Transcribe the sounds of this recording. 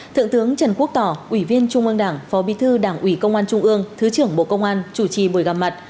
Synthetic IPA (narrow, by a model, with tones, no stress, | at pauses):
t̪ʰɨ̰˧˨ŋt̪ɨ˨˦əŋt͡ɕə˨˧˩nku˦˥ək̚t̪ɔ˧˩ʔwi˧˩vi˧ənt͡ɕʊ˧ŋ͡mʔɨ˧əŋɗaː˧˩ŋfɔ˨˦ɓi˨˦t̪ʰɨ˧ɗaː˧˩ŋʔwi˧˩kə˧wŋ͡mʔaː˧nt͡ɕʊ˧ŋ͡mʔɨ˧əŋt̪ʰɨ˨˦t͡ɕɨ˧˩əŋɓo̰˧˨kə˧wŋ͡mʔaː˧nt͡ɕu˧˩t͡ɕi˧˩ɓo˨˧˩jɣa˨˩p̚ma˨˩t̚